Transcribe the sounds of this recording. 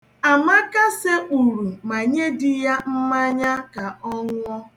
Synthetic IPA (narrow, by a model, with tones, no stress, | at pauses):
a˨ma˦ka˦se˦ʔu˨ɾu˨ma˨ɲe˦dɪ˦ja˦m̩˦ma˦ɲa˦ka˨ɔ˦ŋʊ˦ɔ˦